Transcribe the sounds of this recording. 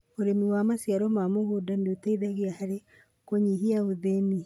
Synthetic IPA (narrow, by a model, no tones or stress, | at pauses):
oɾemiwamasjaɾɔmamohodandotaiðaɣiahaɾe | koɲihiaoðeni